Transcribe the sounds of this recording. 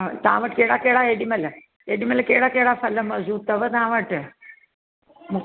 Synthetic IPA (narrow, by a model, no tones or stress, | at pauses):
t̪ã̰ːʋəʈ̚keːɽakeɽaeɖimɐlɐ | eɖimɐləkeːɽakeɽafɐləmɐzuːt̪ɐʋət̪ãːʋəʈ | muk